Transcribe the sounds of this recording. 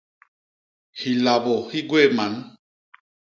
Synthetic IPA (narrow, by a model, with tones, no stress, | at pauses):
hi˨la˨bɔ˨hi˦ɡwe˦˨ma˨˦n˦